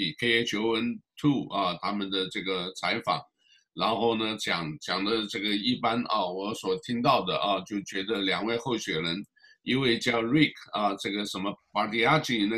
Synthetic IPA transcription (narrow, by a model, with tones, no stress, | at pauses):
i˨˩kʰe˥ɪe˥t͡ɕʰjo˧˥ʊwə˧˥nt̪ʰu˥˩ɐ˧t̪ʰa˥mə˨nd̪ə˨˩ʈ͡ʂɤ˥˩ɡə˩t͡sʰa˧˥ɪfɑ̰˨˩˦ŋ | ɻa˧˥nxo˥˩ʊnə˩t͡ɕjɑ˨˩ŋt͡ɕjɑ˨˩ŋd̪ə˦ʈ͡ʂɤ˥˩ɡə˩i˥˩pa˥nɐ̰˧wɔ˧˥swɔ˨˩t̪ʰi˥ŋt̪ɑ˥˩ʊd̪ə˩ʔɐ˧t͡ɕjo˥˩ʊt͡ɕɥɛ˧˥d̪ə˧ljɑ˨˩ŋwe˥˧ɪxo˥˩ʊɕɥɛ˨˩ɻə˧˥n | i˥nwe˥˧ɪt͡ɕjɑ˥˧ʊli˥˩kʰɐ˥˧ʈ͡ʂɤ˥˩ɡə˩ʂə˧˥nmə˧pa˧˥t̪i˧˥a˥i˥˩˧nə˥˧